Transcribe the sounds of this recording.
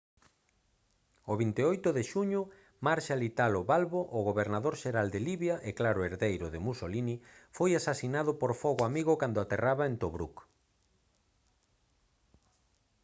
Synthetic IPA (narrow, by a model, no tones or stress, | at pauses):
oβint̪eojt̪ʊðeʃuɲʊ | maɾʃalit̪aloβalβoʔʊɣoβeɾnaðoɾʃeɾald̪eliβjaʔeklaɾʊeɾðejɾʊðemusolinifojasasinaðʊpoɾfɔɣoamiɣʊkand̪ʊat̪eraβaent̪oβɾṵk